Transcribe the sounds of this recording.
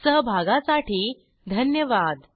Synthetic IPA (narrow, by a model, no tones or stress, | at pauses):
səɦbʱaɡasaʈiː | d̪ʱənjəʋad̪